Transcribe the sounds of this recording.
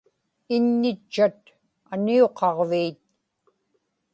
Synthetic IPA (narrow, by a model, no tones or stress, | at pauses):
ɪnːɪt͡ʃːat̪̚ | anioqʰɑʁviːt̪̚